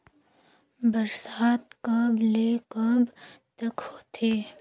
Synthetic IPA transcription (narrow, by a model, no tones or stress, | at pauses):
bɐɾsaːt̪kəbleːkəbt̪ɐkhoːt̪ʰeː